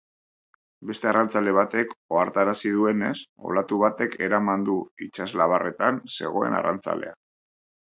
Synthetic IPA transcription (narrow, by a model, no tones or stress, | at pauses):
be̞st̪e̞arant͡sale̞β̞at̪e̞ko̞aɾt̪aɾasið̞ue̞ne̞so̞̰lat̪uβat̪e̞kʰe̞ɾamand̪uit͡ʃazlaβ̞are̞t̪anse̞̰ɣ̞o̞e̞̰na̰ra̰nt͡sa̰le̞a